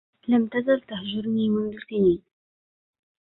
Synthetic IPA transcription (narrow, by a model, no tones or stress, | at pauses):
lamt̪azalt̪ahʒʊɾniːmʊnðʊlkɪniːn